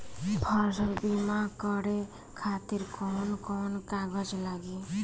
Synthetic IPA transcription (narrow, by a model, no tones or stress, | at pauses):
pʰɔɾsəlbimakɔɽe | kʰat̪iɾkɔnkɔnkaɡəd͡ʒlaɡi